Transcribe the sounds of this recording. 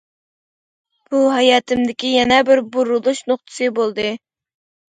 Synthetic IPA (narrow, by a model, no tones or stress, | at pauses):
b̥uɦɑjɑːt̪ʰɪmd̪ɪkʲijɛnɛbɪɾbuɾulˠuʃnoχt̪ʰɨ̥sɨbolˠd̪ɨ